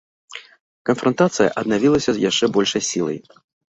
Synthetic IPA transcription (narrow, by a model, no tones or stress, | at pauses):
kɐnfɾɐnt̪at̪sɨjɐ̰ʔɐd̪̚navʲilˠɐsʲɐzʲjaʂt͡ʂɛbɔlʲʂɐjsʲilˠɐ̰j